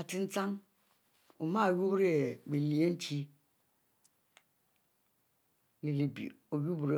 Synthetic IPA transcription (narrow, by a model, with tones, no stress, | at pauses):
a˨ti˦n̩˦t͡sa˦ŋ | o˨ma˦˨wu˦bɾe˦˨ɡ͡bi˨li˨e˦n̩˦t͡ʃi˦ | li˨li˨bḭ˨ | o˨ju˦bɾe˨